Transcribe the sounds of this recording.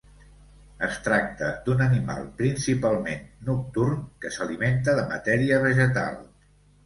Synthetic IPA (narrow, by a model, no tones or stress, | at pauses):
əst̪ɾak̚t̪əd̪unənima̰lˠpɾinsipalˠmenːuk̚t̪urmkəsəliment̪̬əðəmə̰t̪ɛɾiəβəʒət̪a̰lˠ